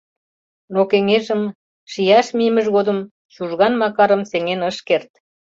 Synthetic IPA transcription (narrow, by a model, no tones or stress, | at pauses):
nokeŋeʒə̆m | ʃijɑʃmiəmə̆ʒɣod̪ə̆m | ʃuʒɣɑnmɑkɑɾəmseŋenəʃkert̪